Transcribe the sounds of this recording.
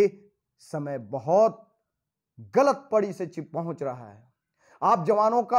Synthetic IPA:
e | sɐməjbɐɦɔt̪̚ | ɡɐlət̪̚pɐɽiset͡ʃɪpɐɦʊ̃t͡ʃɾɐɦaɛ̰ | aːp̚d͡ʒɐʋaːnõka

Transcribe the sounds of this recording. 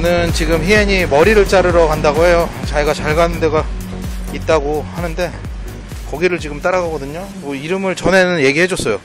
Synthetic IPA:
nɯnt͡ɕiɡɯmçie̞ɲimʌɾiɾɯɭt͡ɕ͈aɾɯɾʌkandaɡoɦe̞jot͡ɕaiɡat͡ɕaɭɡanɯnde̞ɡa | it̚t͈aɡohanɯnde̞ | kʌɡiɾɯɭt͡ɕiɡɯmt͈aɾaɡaɡʌdɯɲo | mʌiɾɯmɯɭt͡ɕʌne̞nɯnje̞ɡihe̞d͡ʑʌs͈ʌjo

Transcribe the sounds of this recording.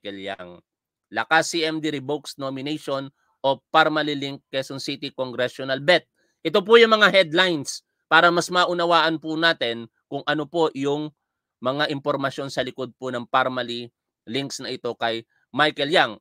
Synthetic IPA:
kɛlja̰ŋ | lɐkasiʔɛmd̪iɾɪboksnomɪnɛjʃon | ʔo̞paɾmɐliliŋkːɛsonsit̪ikoŋɡɾɛʃonɐlbɛt̪̚ | ʔɛt̪̬op̬ʊjʊŋmɐŋahɛd̪lajns | paːɾɐmɐsmɐʔʊnɐwaːʔɐnpʊnaːt̪ɛn | kʊŋʔɐno̞po̞ʔjʊŋ | mɐŋaʔɪmpo̞ɾmɐʃjo̞nsɐlɪko̞d̪̚pʊnɐŋpaɾmɐli | lɪŋksnɐʔɪt̪o̞kɐj | majkɛljaŋ

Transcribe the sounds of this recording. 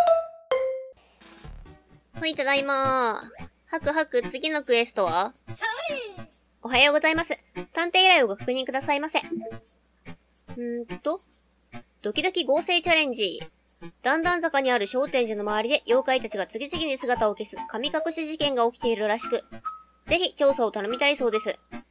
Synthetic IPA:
hoit̪ad̪aima | hakɯ̟ɦakɯ̟t͡sɨɡʲino̞kɯ̟e̞sɨ̥t̪o̞βa | o̞ɦajo̞ːɡo̞zaimasɨ | t̪ãnt̪e̞ːiɾaio̞ɡakḁkɯ̟ɲ̟ĩŋkɯ̟d̪asaimase̞ | ɯ̟̃t̪o̞ | d̪̥o̞kʲid̪o̞kʲiɡo̞ːse̞ːt͡ɕaɾẽ̞ɲ̟d͡ʑi | d̪̥ãnd̪ãnd͡zakaɲ̟iaɾɯ̟ɕo̞ːt̪ẽ̞ɲ̟ʑano̞maβaɾʲid̪e̞jʔo̞ːkait̪at͡ɕiɡat͡sɨɡʲit͡sɨɡʲiɲisɨɡat̪ao̞ke̞sɨkamʲikakɯ̟ɕiʑikẽ̞ŋɡao̞kʲi̥t̪e̞iɾɯ̟ɾaɕi̥kɯ̟ | d͡ze̞çit͡ɕo̞ːsaːt̪ano̞mʲit̪aiso̞ːd̪e̞sɨ

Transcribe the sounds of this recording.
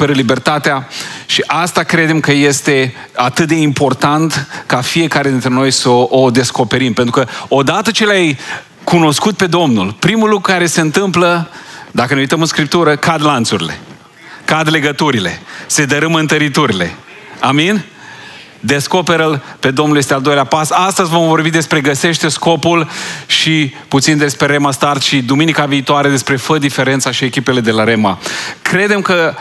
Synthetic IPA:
peɾəlibe̞rt̪at̪eaʃiʔast̪akɾe̞d̪e̞mkəje̞st̪e̞ | at̪ɨt̪̚d̪e̞impo̞rt̪ant̪kafie̞kaɾed̪int̪ɾe̞no̞jsəʔod̪e̞sko̞pe̞ɾimpent̪ɾukəo̞d̪at̪ət͡ʃelaj | kuno̞skut̪̚pe̞d̪o̞mnulpɾimulːukɾukaɾe̞se̞ɨnt̪ɨmpləd̪akəneujt̪əmɨnskɾip̚t̪uɾəkad̪lant̪suɾile̞̰ | kad̪le̞ɡət̪uɾile̞se̞d̪əɾɨmɨnt̪əɾit̪uɾile̞̰ | amin | d̪e̞sko̞pe̞ɾəlpe̞d̪o̞mnuljest̪e̞ald̪o̞jleapasast̪əzʲvo̞mvo̞rbid̪e̞spɾe̞ɡəse̞ʃt̪e̞sko̞pulʃiput̪sind̪e̞spɾe̞ɾe̞mast̪art̪ʃid̪uminikaviːt̪oaɾed̪e̞spɾe̞fəd̪ife̞ɾe̞nt̪saʃiekʲipe̞le̞d̪e̞laɾe̞makɾe̞d̪e̞mkə

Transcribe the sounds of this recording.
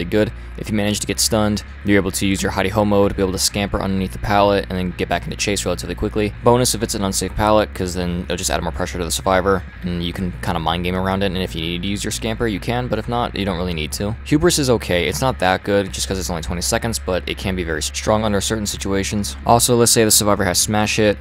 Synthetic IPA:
iɡʊɾ | ʔɨfjɨmænɨd͡ʒ̥tʰɨɡɛtstʌ̃nd | bieɪbl̩ˠtʰɨjʉzjə˞haɪɾihõʊ̃moʊd̚bieɪbl̩ˠtʰəskæ̃mpə˞ʔʌ̰̃ndə˞niθðəpʰælˠətɨ̰̃nðɨ̃nɡɛt̚b̥ækɪ̃n̩tʰʉt͡ʃʰeɪsɹɛlˠəɾʰɨvlikʰw̥ɪklib̥õʊnɨsɨfɨtsɨ̃nʌ̃nseɪfpʰælˠət̚kʰʌzðɨ̃nɪ̰l̩ˠd͡ʒʌstæ̰ɾmɔɹpʰɹ̥ɛʃə˞ɾɨðəsə˞vaɪvə˞ | ɨ̃njɨkʰn̩kʰãɪ̃ndəmãɪ̃nɡẽɪ̃mə˞ãʊ̃ndɨɾɨ̃nɨfjɨnid̚tʰɨjʉzjə˞skæ̃mpə˞jɨkʰɨ̃nbʌɾɨfnəʔjʔɨ̰dõʊ̃nʔɹɪlˠinid̚tʰʉhjʉbɹɨsɨzoʊkʰeɪɨ̰tsnət̪̚ðət̚ɡ̥ʊd̚d͡ʒʌskʰʌzɨtsõʊ̃litʰwɛ̃ñisɛkndzb̥ʌɾɨ̰t̚kʰɨ̃nbivɛɹisttɹ̥ɔ̃ŋʌ̃ndə˞sɜ˞ʔn̩sɪt͡ʃueɪʃɨ̃n̩z̥ʔɔlˠsoʊlətseɪðɨsə˞vaɪvə˞ɨz̥smæʃɪt̚

